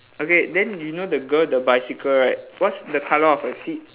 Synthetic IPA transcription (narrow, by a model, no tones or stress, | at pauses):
okedɛ̃njunodəɡəldəbaɪsikəlɹat̚wɔtsdəkʰaləɔfəsit̚